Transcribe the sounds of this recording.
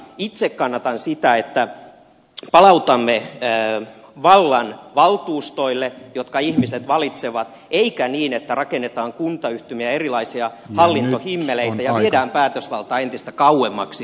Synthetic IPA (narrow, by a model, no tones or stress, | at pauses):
it̪sekkɑnːɑt̪ɑnsit̪æet̪ːæ | pɑlɑut̪ɑmːe | ʋɑlːɑnʋɑlt̪uːst̪oilːejot̪kɑihmiset̪ʋɑlit̪seʋɑt̪ | eikæniːnet̪ːærɑkenːet̪ɑːŋkunt̪ɑyht̪ymiæerilɑisiɑ | hɑlːint̪ohimːeleit̪æjɑʋiedæːmpæːt̪øsʋɑlt̪ɑːent̪ist̪ækɑuemːɑksi